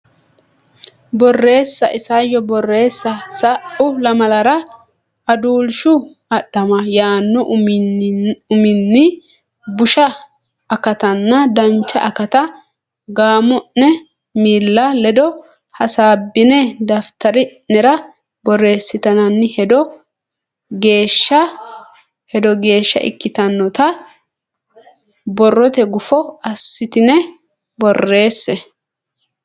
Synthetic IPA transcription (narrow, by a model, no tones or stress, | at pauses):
bɔrːe̞ːsːɐʔɪsajːɔbɔrːe̞ːsːɐsɐʔʊlɐmɐlɐɾɐ | ʔɐd̪uːlʃʊ | ɐɗːɐmɐjaːnːɔ | ʊmɪnːɪ | bʊʃɐː | kɐt̪ɐnːɐd̪ɐnt͡ʃːɐʔɐkɐt̪ɐ | ɡaːmɔʔnɛ | miːlːalɛd̪ɔ | hɐsaːbːɪnɛd̪ɐft̪ɐɾɪnɛɾɐ | bɔre̞ːsːɪt̪ɐnɐnːɪhɛd̪ɔ | ɡe̞ːʃːɐ | hɛd̪ɔɡe̞ːʃːɐ̰ʔɪ̰kːɪt̪ɐnːɔt̪ɐ | bɔrːɔt̪ɛɡʊfɔɐsːɪt̪ɪnɛ | bɔrːe̞ːsːɛ